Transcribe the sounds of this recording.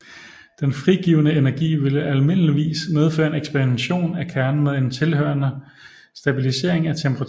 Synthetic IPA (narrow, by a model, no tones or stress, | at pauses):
d̥enfʁiɡ̥iːʊnəenæɐɡ̥ḭːʋe̝ləʔælme̝n̰əliʋḭːsmeð̞ˠfø̰ːɐe̝neɡ̥sb̥æʁienɕo̝̰ːnækʰæɐnn̩meðˠe̝nt͡sʰe̝lɦø̰ɐnə | sd̥æb̥ilise̝̰ɐeŋæt͡sʰempʰəʁɑ